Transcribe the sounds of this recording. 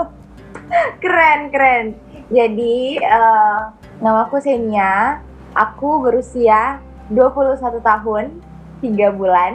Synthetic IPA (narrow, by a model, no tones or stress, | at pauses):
kəɾɛnkəɾɛn | d͡ʒadiə | ŋamakusania | ʔakubəɾusia | duapuluhsat̪ut̪aɦʊn | t̪iɡabulan